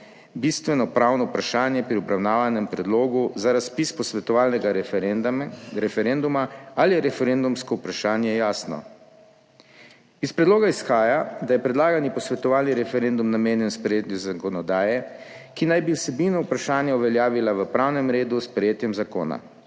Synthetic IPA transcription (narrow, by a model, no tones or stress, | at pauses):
bist̪ʋɛnɔpɾaːwnɔupɾaʃaːnjɛpɾiɔbɾawnaːʋanɛmpɾɛd̪loːɡuzaɾaspispɔsʋɛt̪ɔʋaːlnɛɡa | ɾɛfɛɾend̪umaaliɾɛfɛɾend̪umskɔupɾaʃaːnjɛjaːsnɔ̰ | ispɾɛd̪loːɡaisxaːjad̪ajɛpɾɛd̪laːɡanjipɔsʋɛt̪ɔʋaːlniɾɛfɛɾend̪umnameːnjɛnspɾɛjeːt̪juzakɔnɔd̪aːjɛkinajbiwsɛbinɔupɾaʃaːnjauʋɛljaːʋilaʋəpɾaːwnɛmɾeːd̪uspɾɛjeːt̪jɛmzako̰ːna̰